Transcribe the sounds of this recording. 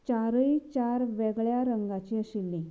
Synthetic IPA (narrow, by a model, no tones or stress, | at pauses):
t͡ɕaɾəit͡ɕaɾʋɛɡɭjaɾəŋɡat͡ɕiːəsilːĩ